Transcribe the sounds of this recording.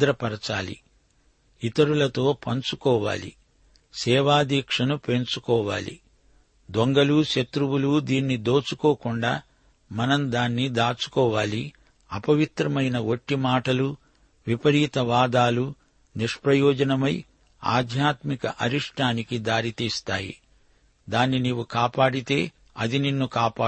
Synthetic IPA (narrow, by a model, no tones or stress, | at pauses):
ɾɐpɐɾɐt͡ʃaːlḭ | it̪ɐɾulɐt̪o̞ːpɐnt͡ʃukɔːʋa̰ːlḭ | sɛːʋaːd̪iːkʂɐnupent͡ʃukɔːʋa̰ːlḭ | d̪oŋɡɐluʃɐt̪ɾuwulud̪iːnːid̪o̞ːt͡ʃukoːkuɳɖaː | mɐnɐmd̪aːnːid̪aːt͡ʃu̥kɔːʋaːli | ɐpɐʋit̪ɾɐmɐjnɐoʈːimaːʈɐlu | ʋipɐɾiːt̪ɐʋaːd̪aːlu | niʂpɾɐjɔːd͡ʒɐnɐmɐj | a̰ːd̪ʱjaːt̪mikɐ̰ʔɐɾiʂʈʰaːnikid̪aːɾit̪iːst̪aːjḭ | d̪aːnːiniːʋukaːpaːɽit̪e̞ː | ɐd̪ininːukaːpaː